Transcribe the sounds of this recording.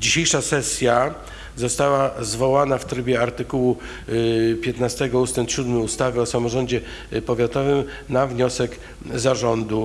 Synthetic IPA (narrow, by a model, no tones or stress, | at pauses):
d͡ʑiɕejʂasɛsʲja | zɔst̪awazvɔwanaft̪ɾɘbʲjɛaɾt̪ɘkuwu | pʲjɛt̪nast̪ɛɡɔust̪ɛnt̪ɕud̪mɘust̪avʲjɛɔsamɔʐɔɲd͡ʑɛ | pɔvʲjat̪ɔvɘm | navɲɔsɛk | zaʐɔnd̪u